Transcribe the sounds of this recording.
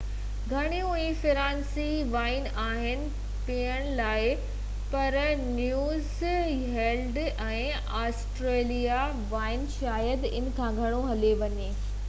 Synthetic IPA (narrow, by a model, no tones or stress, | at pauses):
ɡʱɐɽ̃ijũĩfɪɾãːnsiʋaːɪn | aːɦɪnɪ̆ | piːəɽ̃laːɪ | pɐɾnjuːz | ɦeːlɖɛ̃ː | aːsʈɾeːlija | ʋaːɪnʃaːjəd̪ɪ̰nkʰãːɡʱɐɽ̃oɦɐleʋɐɲeː